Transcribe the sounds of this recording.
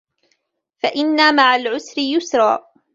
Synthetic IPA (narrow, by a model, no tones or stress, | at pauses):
faʔɪnːamaʕalʕʊsɾɪjʊsɾˤɑ̰ː